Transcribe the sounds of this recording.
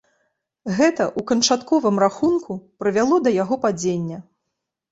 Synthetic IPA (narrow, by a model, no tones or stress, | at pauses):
ɣɛt̪ɐʔukɐnt͡ʂat̪kɔvɨmraxunkʰupɾɨvʲalˠɔd̪ɐjaɣɔpad͡zʲenʲːɐ